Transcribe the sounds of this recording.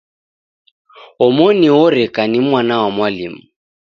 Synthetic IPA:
ʊmoniʊrɪkʼanimwanawamwaliːmʊ

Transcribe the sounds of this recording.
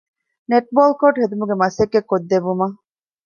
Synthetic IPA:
neʈ̚boːlkoʈɦed̪umuɡemɐsekːekːod̪ːebumɐ

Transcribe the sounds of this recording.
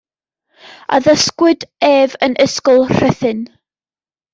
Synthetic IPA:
a̰ðəskwɨdeːvənʔəskɔlˠr̥ɛθɪn

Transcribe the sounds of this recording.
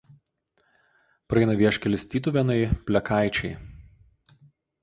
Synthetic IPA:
pɾɐɛɪnɐʋʲiɛʃʲkʲɛlʲɪsʲt̪ʲiːt̪ʊʋʲɛnɐɪpʲlʲɛkɑˑɪt͡ʃʲɛɪ

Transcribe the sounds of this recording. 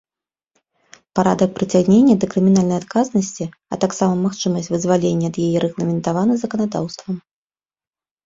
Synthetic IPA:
paɾa̰d̪ɐk̚pɾɨt͡sʲaɣnʲenʲːɐd̪ɐkɾɨmʲinalʲnɐjat̪̚kaznɐsʲt͡sʲi | ɐ̰t̪aksamɐmaxt͡ʂɨmɐsʲt͡sʲvɨzvalʲenʲːɛːd̪jajɛɾɛɣlˠɐmʲɛnt̪avanɨzɐkɐnad̪a̰wst̪vɐm

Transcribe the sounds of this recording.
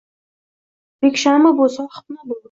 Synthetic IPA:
bekʲʃamɪbosaχʊ̥p̚nabolˠ

